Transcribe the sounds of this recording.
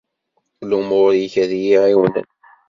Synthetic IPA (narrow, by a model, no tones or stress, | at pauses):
lumoɾjiçæðjiʕiwənə̰n